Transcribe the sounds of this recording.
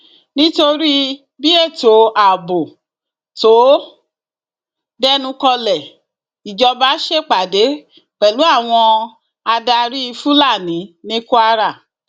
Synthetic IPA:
nĩ˦to˧ɾi˦ | bi˦e˦˨to˨a˨bo˨ | to˨˦ | dɛ˦nũ˧kɔ˧lɛ˨ | i˨d͡ʒɔ˧ba˦ʃe˦k͡pa˨de˨˦ | k͡pɛ˨lu˨˦a˦˨w̃ɔ̃˧ | a˧da˧ɾi˦i˧fu˦la˦˨nĩ˨˦nĩ˦ku˦a˧ɾa˦˨

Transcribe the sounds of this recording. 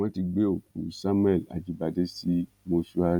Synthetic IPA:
ɔ̃˦ti˧ɡ͡be˦o˨ku˨sa˦m̃˦ɛ˦˨la̰˨d͡ʒi˨˧˦ba˧de˦si˦ | mo˧su˦a˧

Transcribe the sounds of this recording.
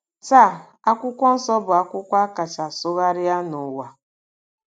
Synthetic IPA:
t͡ʃa˦˨ | a˦kʷʊ˦kʷɔ˦n̩˦sɔ˦bʊ˨a˦kʷʊ˦kʷa˦ka˨t͡ʃa˨sʊ˦ɣa˦ɾɪ˦ja˦nʊ˨wa˨

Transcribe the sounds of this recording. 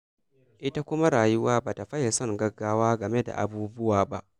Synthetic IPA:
ʔɪ˦ta˦kʷʊ˦ma˦ɽaː˨jʊ˦waː˦baː˨ta˨ɸɐ˦ja˨sɔ˦ŋɡɐ˦ɡːaː˦waː˦ɡɐ˨me˦da̰˨ʔa̰˨buː˦bʊ˦waː˨ba˦ʔ

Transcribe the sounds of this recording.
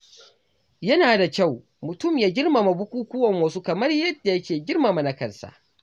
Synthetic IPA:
jɐ˦naː˨da˨kʲa˦˨w | mʊ˨tʊ˦˨mjaː˦ɡʲɪ˦rma˨ma˨bʊ˦kʷuː˦kʷʊ˦wɐ˨ŋwɐ˦su˦kɐ˨mɐ˦rjɐ˦dːa˨jɐ˦kʲeː˨ɡʲɪ˦rma˨ma˨na˦kɐ˦˨nsa̰˨ʔ

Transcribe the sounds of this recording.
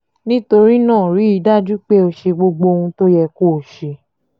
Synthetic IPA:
nĩ˦to˧ɾi˦nãː˦˨ɾi˨˦i˧˦da˦d͡ʒu˦k͡pe˦o˧ʃe˧ɡ͡bo˧ɡ͡bo˧hũ˧to˦jɛ˧ko˦˨ʃe˧

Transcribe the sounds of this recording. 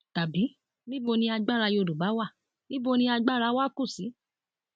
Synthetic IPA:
ta˨bi˨˦ | nĩ˦bo˧nĩ˧a˧ɡ͡ba˦˨ɾa˧jo˧˨du˨ɡ͡ba˨˦wa˦˨ | nĩ˦bo˧nĩ˧a˧ɡ͡ba˦ɾa˧˦wa˦ku˦˨si˨˦

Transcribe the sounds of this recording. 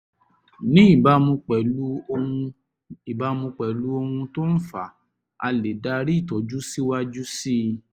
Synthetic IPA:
nĩ˨˦i˦˨ba˨˦mũ˧k͡pɛ˨lu˦˧ũ˧ | i˨ba˨˦mũ˧k͡pɛ˨lu˦o˧hũ˧to˦n̩˦fa˨ | a̰˧le˨da˧ɾi˦i˦˨tɔ˨˦d͡ʒu˦si˦wa˦d͡ʒu˦si˦

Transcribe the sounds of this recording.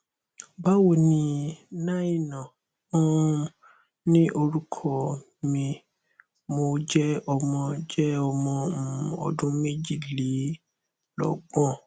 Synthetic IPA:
ba˦wo˦˨nĩ˧nã˦i˦˨nã˨ | ɔ˦ | nĩ˦ʔo˧ɾu˦kʰɔ˦˨ | mĩ˧ | mo˧d͡ʒɛ˦ɔ˧mɔ̃˧d͡ʒɛ˦ɔ˧mɔ̃˨˧m̩˨ɔ̰˨dũ˦mẽ˦d͡ʒi˦˨li˨˦ | lɔ̰˨ɡ͡bɔ̃˦

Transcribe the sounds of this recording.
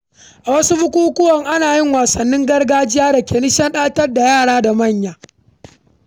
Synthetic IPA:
ʔa˨wɐ˦su˦bʊ˦kʷuː˦kʷʊ˦wɔ˨ŋʔa˦naː˨jɪ˦ŋwaː˨sɐ˨nːɪ˦ŋɡɐ˦rɡaː˦d͡ʒɪ˦jaː˦da˨kʲeː˨nɪ˦ʃɐ˦nɗaː˦tɐ˦rda˨jaː˦˨ɽaː˦da˨mɐ˦˨ɲjaː˨

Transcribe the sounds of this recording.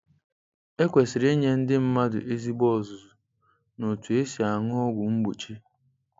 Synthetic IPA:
e˦kʷe˨sɪ˨ɾe˦ɲe˦n̩˦dɪ˦m̩˦ma˦dʊ̰˨ʔe˦zi˦ɡ͡bɔ˦˨zʊ˨zʊ˨ | no˨tu˨e˦si˨a˨ŋʊ˦ɔ˦ɡʷʊ˨ŋ͡m̩˦ɡ͡bu˨t͡ʃi˦

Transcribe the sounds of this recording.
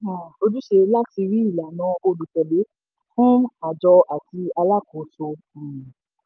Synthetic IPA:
o˧d͡ʒu˦ʃe˧la˦ti˧ɾi˦i˦˨la˨nã˨˦o˧lu˨tɛ˨le˨˦ | fũ˦a˨d͡ʒɔ˧ʔa˨ti˧a˧la˦˨ko˨˦sõ˧˨

